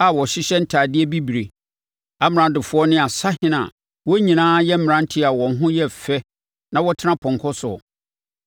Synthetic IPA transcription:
a˨wɔ˨ɕɪ˦ɕɛ˦n̩˦tʰaː˨dɪ˦ɛ˦bi˦bi˨ɾe˨ | a˨m̃˨ɾã˨dɪ˨fʊ˦ɔ˦nɪ̃˦a˨sa˦hɪ̃˦nã̰˨ | wɔ˦ɲĩ˨nãː˦jɛ˦m̩˦m̃˨ɾã˦n˦tʰɪ˦a˨wɔ̃˨n˦ɦʊ̃˦jɛ˦fɛ˦ | nã˦wɔ˦tʰɪ˦nã˦pʰɔ̃˨ŋ˨kʰɔ˦sʊ̰˨

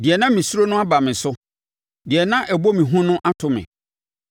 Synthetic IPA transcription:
dɪ˨ɛ˨nã˦mĩ˨su˦ɾo˦nʊ̃˦a˦ba˨mɪ̃˨sʊ˦ | dɪ˨ɛ˨nã˦ʔɛ˨bo˦mĩ˨ɦʊ̃˦nʊ̃˦ʔa˦tʰʊ˨mɪ̰̃˨

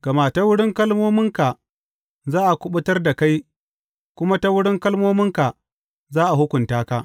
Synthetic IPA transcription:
ɡ̥ɐ˨maː˨ta˦wʊ˦ɽɪ˦ŋkɐ˦lmoː˦mɪ˦ŋka˨ | zaː˦ʔa˨kʷʊ˦ɓʊ˦tɐ˦rda˨ka˦j | kʷʊ˦ma˦ta˦wʊ˦ɽɪ˦ŋkɐ˦lmoː˦mɪ˦ŋka˨ | zaː˦ʔa˨hʊ˦kʷʊ˨ntaː˦ka˦ʔ

